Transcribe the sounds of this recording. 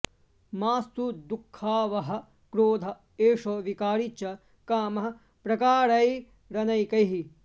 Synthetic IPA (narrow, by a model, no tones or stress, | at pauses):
maːst̪ud̪ukʰːaːʋɐɦɐ̆ | kɾoːd̪ʱɐ | eːʂoːʋikaːɾit͡ʃɐ | kaːmɐɦɐ̆ | pɾɐkaːɾɐj | ɾɐnɐjkɐjɦi